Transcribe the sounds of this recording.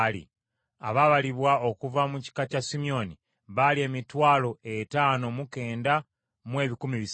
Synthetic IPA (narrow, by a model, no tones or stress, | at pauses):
lḭ | a̰βaβaliβwaokuvamuci̥kacasimio̞ni | βalie̞ːmitwaːlo̞e̞taːno̞muke̞ːnda | mwe̞ːβikumiβis